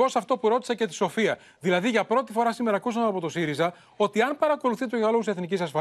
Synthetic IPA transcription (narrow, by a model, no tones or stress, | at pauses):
o̞sɐft̪o̞puɾo̞t̪isece̞t̪i̥so̞fiɐ | ðilɐðiʝɐpɾo̞t̪ifo̞ɾɐsime̞ɾɐːkusɐmeɐpo̞t̪o̞siɾizɐ | o̞t̪iɐnpɐɾɐko̞luθit̪oʝeɣɐloɣseθnicisɐsfɐ